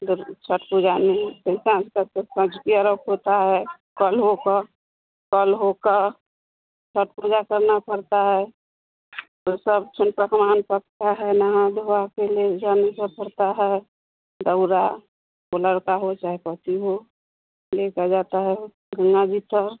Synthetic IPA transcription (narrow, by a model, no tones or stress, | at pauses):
d̪t͡ʃʰəʈpud͡ʒanesesãd͡ʒkasəsə̃d͡ʒkiəɾəkɦot̪aɦɛ | kəlɦoka | kəlɦokə | t͡ʃʰəʈ̚pud͡ʒakəɾnapəɾt̪aɦɛ | t̪osəb̚t͡ʃʰʊnpəkmaːnpəkt̪aɦɛnaɦãd̪ʱoakeled͡ʒanesəpəɾt̪aɦɛ | d̪əʊɾa | koləɾkaɦot͡ʃaːɦɛpət̪iɦo | lekad͡ʒat̪aɦɛ | ɡəŋɡad͡ʒipəɾ